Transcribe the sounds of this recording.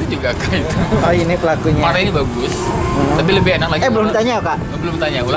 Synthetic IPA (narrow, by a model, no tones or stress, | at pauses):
id͡ʒuɡakait̪uainɪpəlakuɲamaɾainibaɡʊs̩apiləbɪhanaklaɡiɛəlʊmit̪aɲaukaʔ | bəlʊmt̪aɲaula